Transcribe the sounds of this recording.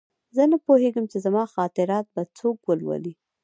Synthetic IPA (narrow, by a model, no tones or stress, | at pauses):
zənapoheɡəmt͡ʃezamɑxɑt̪ɪɾɑt̪̚bat͡sokwəlwə̰li